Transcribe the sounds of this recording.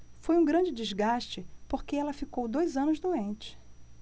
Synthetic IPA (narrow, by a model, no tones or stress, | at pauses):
fojũɡɾɐ̃d͡ʒɪd͡ʒɪzɡaʃt͡ʃɪpoɾkeɛlɐfikowd̪ojzɐ̃nʊzd̪uẽnt͡ʃɪ̥